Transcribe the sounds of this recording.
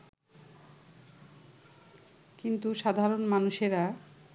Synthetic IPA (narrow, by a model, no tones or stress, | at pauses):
kint̪uʃad̪ʱaɾonmanuʃeɾa